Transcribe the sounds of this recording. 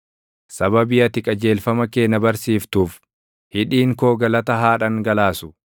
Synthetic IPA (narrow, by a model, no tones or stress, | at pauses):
sɐbɐbɪjɐt̪ɪkʼɐd͡ʒe̞ːlfɐmɐke̞ːnːɐbɐɾsiːft̪uːf | hɪᶑiːŋkoːɡɐlɐt̪ɐɦaːᶑɐŋɡɐlaːsʊ̥